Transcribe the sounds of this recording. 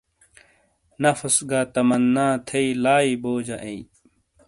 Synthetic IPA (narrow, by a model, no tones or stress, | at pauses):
nɐfɐsɡat̪ɐmɐnːaːt̪ʰeilaːiboːd͡ʑɐʔẽi